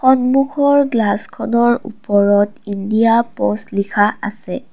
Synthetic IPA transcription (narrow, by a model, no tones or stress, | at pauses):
xɔnmuxʰɔɹɡlaskʰɔnɔɹṵpɔɹɔtindijapɔslikʰaʔa̰sɛ